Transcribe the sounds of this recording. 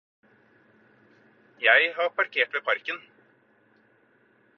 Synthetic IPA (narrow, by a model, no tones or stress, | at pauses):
jæɪɦɑpʰɑɾkʰeːʈʋeːpʰɑɾkən